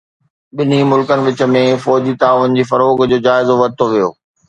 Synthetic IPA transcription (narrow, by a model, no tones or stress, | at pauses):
ɓɪnimʊlkənɪ̆ʋɪt͡ɕə̆mẽfɔːd͡ʑit̪aːʋʊnɪ̆d͡ʑiːfɐɾoːɡd͡ʑoːd͡ʑaːɪzoʋɐt̪ʰoʋijo̰ː